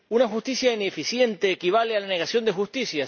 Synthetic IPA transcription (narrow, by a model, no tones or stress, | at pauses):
unaxust̪isjainefisje̞nt̪eːkiβ̞alealane̞ɣasjo̞nd̪exust̪isja